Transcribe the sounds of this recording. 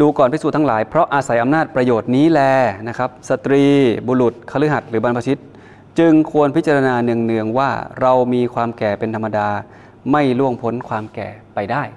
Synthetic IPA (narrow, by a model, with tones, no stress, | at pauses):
duː˧kɔː˨˩npa˧jsu˨˩t̪ʰa˦˥ŋla̰ː˩˦jpʰɾɔ˦˥ʔaː˧sa˩˦jʔa˧mnaː˥˩t̪̚pɾa˧joː˨˩t̪̚niː˦˥lɛː˧˩na˦˥kʰɾa˦˥p̚sa˨˧˩t̪ɾiː˧boː˧lu˨˩t̪̚kʰa˧lɯ˦˥ɦa˨˩t̪̚ɾɯː˩˦ba˧npʰa˧t͡ɕʰi˦˥t̪̚ | t͡ɕɯ˧ŋkʰu˧ənpʰi˦˥t͡ɕa˧ɾa˧naː˧nɯ˧əŋnɯ˧əŋwaː˥˩ɾa˧wmiː˧kʰwaː˧mkɛː˨˩pe˧nt̪ʰa˧mːa˧daː˧ | ma˥˩jlu˥˩əŋpʰo˦˥nkʰwaː˧mkɛ̰ː˨˩pa˧jdaː˥˩j